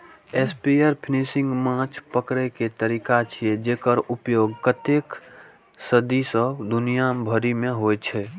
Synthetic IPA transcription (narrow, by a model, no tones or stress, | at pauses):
eːspieɾpʰɪnisɪ̃ŋɡmãːt͡ʃʰpəkɾeket̪əɾikat͡ʃʰied͡ʒeːkəɾʊpjoːɡkət̪eːk | səd̪isəd̪ʊnijambʱəɾimẽɦojt͡ʃʰɛ